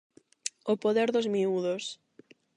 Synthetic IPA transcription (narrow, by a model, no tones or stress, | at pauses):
opoðeɾðozmiuðos